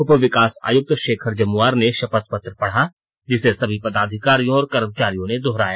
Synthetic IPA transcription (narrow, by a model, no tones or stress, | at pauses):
ʊpʋɪkaːsa̰ːjʊk̚t̪ʃeːkʰəɾd͡ʒɐmʊaːɾneʃɐpət̪̚pət̪ɾəpɐɽ̤a | d͡ʒɪsesɐbʱipɐd̪aːd̪ʱɪkaːɾijõɔːɾkəɾəmt͡ʃaːɾijõned̪ɔɦɾaːjaː